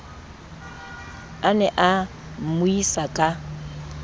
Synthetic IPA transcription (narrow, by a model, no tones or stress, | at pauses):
anɛʔa | m̩mʊisakʼa